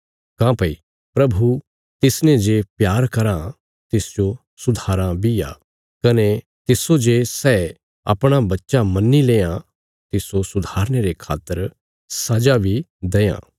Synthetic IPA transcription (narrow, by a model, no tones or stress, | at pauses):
kãːpɐi | pɾɐbʱu | t̪ɪsnẽd͡ʒeːpjaːɾkɐɾã | t̪ɪsd͡ʒo | sʊd̪ʱaːɾãbija̰ | kɐne | t̪ɪsod͡ʒesɛː | ɐ̰pɽ̃abɐtːʃamɐnːilẽːã | t̪ɪsosʊd̪ʱaːɾɽ̃eɾekʰaːt̪ːəɾ | sɐd͡ʒabʱid̪ejã̰ː